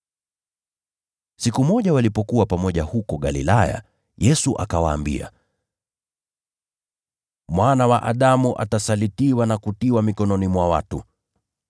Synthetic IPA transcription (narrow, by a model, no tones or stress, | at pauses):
sikumɔʄawalipɔkuwapamɔʄahukɔɠalḭlaja̰ | jɛsuʔa̰kawa̰ːmbḭa̰ | mwanawaʔaɗamuʔa̰tasalitiwanakutiwamikɔnɔnimwawatu